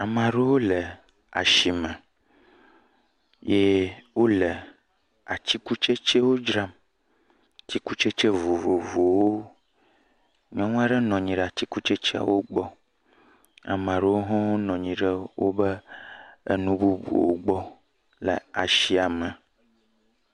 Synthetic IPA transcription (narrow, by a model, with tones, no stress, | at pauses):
a˨mã˨ɖe˦wo˦lə˨ | a̰˨ʃi˨mə̃˨ | je˦wo˦lɛ˨ | a˨t͡ɕi˦ku˦t͡ʃe˦t͡ʃe˦wo˦d͡ʒɾa˦m˨ | t̪i˦ku˦t͡ʃe˦t͡ʃe˦vo˨vo˨vo˨wo˦ | ɲɔ̃˦ŋ̃˦a˦ɖə˦nɔ̃˨ɲĩ˨ɖɛ˨a˨ti˦ku˦t͡ʃe˦t͡ʃɛ˦a̰˨wo˦ɡ͡bɔ˦ | a̰˨m˨ã˨ɖə˦wo˦ɦɔ̃˦wo˦nɔ̃˨ɲĩ˨ɖə˦wo˦bə˦ | ḛ˦nũ˦bu˦bṵ˨wo̰˦ɡ͡bɔ˦ | lə̰˨a˨ʃi˦a˨mə̃˨